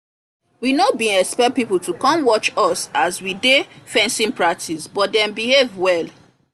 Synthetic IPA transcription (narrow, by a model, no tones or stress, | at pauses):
winobĩɛkspɛpipl̩tukɔ̃mwɔt͡ʃɔsaswidefɛ̃nsĩnpɹak̚tʰisbɔt̚dɛ̃mbihevwɛl